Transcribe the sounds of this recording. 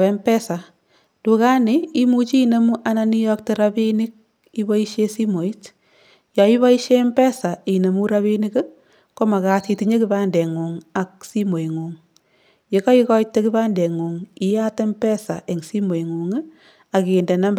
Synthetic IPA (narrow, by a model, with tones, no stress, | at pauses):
ɛ˦mpɛ˦sa˨ | tu˨ka˦nɪ˦i˦mu˦t͡ʃiː˦ne˦mu˦ʔa˦na˦ni˦jɔ˦k̚te˦ɾa˦bi˦nɪ˦k̚ | i˦bɔ˦i˦ʃe˦si˦mo˨i˦t | jɔ˨i˦βa˦i˦ʃe˦mbɛ˦sa˨i˨ne˨mu˦ɾaβi˦ni˦k | ko˦ma˨ka˨ti˧ti˧ɲe˦ki˦ba˦nde˨ŋu˨ŋa˨k̚si˦mo˨i˨ŋu˨ŋ | je˨kɔ˦i˦kɔ˦jtːe˦ki˦baː˦nde˨ŋu˨ŋi˦ja˦te˦mpɛ˦sa̰˨ʔe˨ŋsi˦mo˨i˨ŋu˨ŋ˦ | a˨ke˨nde˨na˦mb